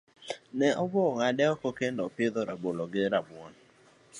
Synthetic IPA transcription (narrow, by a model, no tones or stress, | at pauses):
nɛʔɔbɔŋadɛɔkɔkendɔpɪd̪ɔɾabolɔɡɪɾabwɔn